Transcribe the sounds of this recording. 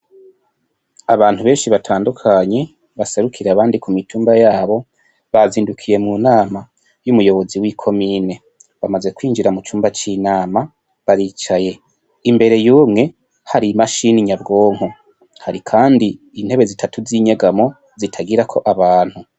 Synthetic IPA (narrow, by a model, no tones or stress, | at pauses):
aβaːnhuβe̞ːnʃiβatʰaːndukʰaɲe̞ | βase̞ɾukʰiɾeaβaːndikumitʰuːmbajaːβo̞ | βaziːndukʰije̞munaːma | jumujo̞βo̞ziwikʰo̞mine̞ | βamaze̞kwiːnd͡ʒiɾamut͡ʃuːmbat͡ʃinaːma | βaɾiːt͡ʃaje̞ | imbe̞ɾe̞juːmŋe̞ | haɾimaʃiniɲabɡo̞ːŋ̥o | haɾikʰaːndiː | n̥he̞βe̞zitʰatuziɲe̞ɡamo̞ | zitʰaɡiɾakʰo̞ʔaβaːn̥hu